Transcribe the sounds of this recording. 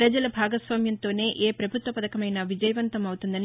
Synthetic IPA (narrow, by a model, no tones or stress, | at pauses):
ɾɐd͡ʒɐlɐbʱaːɡɐsʋaːmjɐnt̪o̞ːne̞ːʔeːpɾɐbʱut̪ʋɐpɐd̪ɐkɐmɐjnɐʋid͡ʒɐjɐʋɐnt̪ɐmɐwt̪und̪ɐni